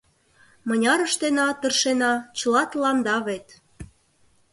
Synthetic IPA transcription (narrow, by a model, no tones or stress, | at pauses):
mɤ̆nʲɑɾəʃt̪enɑt̪ə̆rʃenɑt͡ɕə̆lɑt̪lɑnd̪ɑβet̪